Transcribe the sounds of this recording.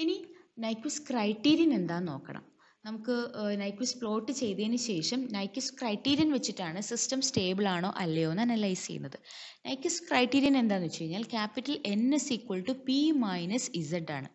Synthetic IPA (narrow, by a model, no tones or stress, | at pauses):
ininɐjkːʋɐskrɐjʈːiːɾijɐne̞nd̪aːnno̞ːkːɐ̰ɳɐ̰m | nɐmukːɨnɐjkʋɐspɭo̞ːʈːɨt͡ɕe̞jt̪ɐenɨɕe̞ːʂɐmnɐjkːuskrɐjʈːiːɾjɐnʋet͡ɕːiʈːaːɳɨsistɐmsteːbɨɭaːɳo̞ːʔɐlːejo̞ːnaːnɐlːɐjsɐ̰jṵnːɐðɨ | nɐjkːɐskrɐjʈːiːɾjɐne̞nd̪aːnːut͡ɕe̞jiɲːaːlkʲaːpːiʈːɐle̞nːesikːwoɭʈːɨpimɐjnɐsizɐʈːaːɳɨ̰